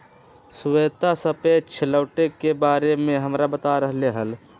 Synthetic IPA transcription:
sʊweːt̪asəpet͡ʃʰɪləːʈekebaːɾemẽɦəmɾabət̪aɾəɦleɦəl

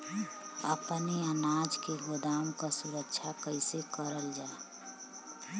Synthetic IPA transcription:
əpniənaːd͡ʒkeɡod̪aːmkasuɾəkʃʰakəɪsekəɾəld͡ʒaː

